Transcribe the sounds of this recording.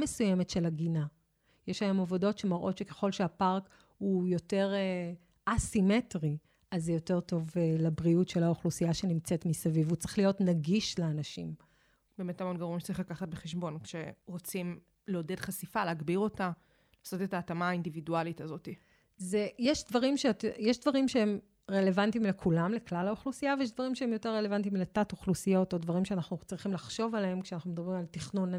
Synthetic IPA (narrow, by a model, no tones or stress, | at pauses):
mesujemetʃe̞laɡina | jeʃajomovodo̞tʃe̞maʁʔo̞tʃeke̞̥χo̞lʃeapaʁk | hujo̞te̞ʁe | asimetʁi | azejo̞te̞ʁto̞vlabʁiutʃelaoχlusijaʃenimt͡setmisavivut͡se̥χlijo̞tnaɡiʃleanaʃim | b̥eːmetamonɡaʁuimʃt͡saʁiχlakaχat̚beχeʃbo̞nkʃe̞ʁot͡sim | leode̞dχasifaleːɡbiʁo̞ta | laːso̞te̞taːtamaːindividualitazo̞ti | zejeʃdvaʁimʃetjeʃdvaʁimʃeem | ʁe̞le̞vantimlekʰulamleklalaoχlusijavejeʃ̬dvaʁimʃeemjo̞teʁːe̞le̞vantimletatoχlusijo̞to̞dvaʁimʃeanaχnut͡sʁiχimlaχʃo̞valeemkʃeanaχnume̞d̪ɐbʁimaltiχnun